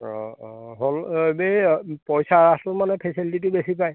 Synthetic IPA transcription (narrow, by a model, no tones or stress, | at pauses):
ɔ̰ɦolbepɔjsaasɔlmanɛpʰɛsiltit̬ʊbesipaj